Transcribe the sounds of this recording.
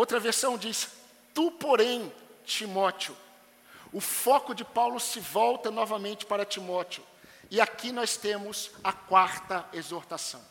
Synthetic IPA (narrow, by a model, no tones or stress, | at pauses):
owt̪ɾɐveɾsɐ̃w̃d͡ʒis | t̪upoɾẽj̃t͡ʃimɔt͡ʃiʊ | ʊfɔkʊd͡ʒɪpawlʊsɪvɔwt̪ɐnɔvɐmẽnt͡ʃɪ̥paɾɐt͡ʃimɔt͡ʃiʊ | ɪakinɔst̪ẽmʊzɐkwaɾt̪ɐezoɾt̪asɐ̰̃w̃